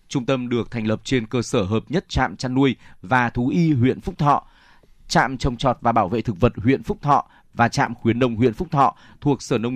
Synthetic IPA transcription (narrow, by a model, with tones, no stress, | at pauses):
t͡ɕʊ˧ŋ͡mt̪ə˧mɗɨ˨˩ək̚t̪ʰɛ˨˩ŋlə˨˩p̚t͡ɕe˧nkəː˧səː˧˩ɦəː˨˩p̚ɲə˦˥t̚t͡ɕa̰ː˧˨mt͡ɕaː˧nːu˧əjvaː˨˩t̪ʰu˨˦ʔi˧ɦwḭ˧˨ənfʊ˦˥k͡p̚t̪ʰɔ̰˧˨ | t͡ɕa̰ː˧˨mt͡ɕɔ˧wŋ͡mt͡ɕɔ˨˩t̚vaː˨˩ɓaː˧˩wvḛ˧˨t̪ʰɨ˨˩k̚və˨˩t̚hwḭ˧˨ənfʊ˦˥k͡p̚t̪ʰɔ̰˧˨ | vaː˨˩t͡ɕa̰ː˧˨mxwi˨˦ənɗə˧wŋ͡mɦwḭ˧˨ənfʊ˦˥k͡p̚t̪ʰɔ̰˧˨ | t̪ʰu˨˩ək̚səː˧˩nə˧w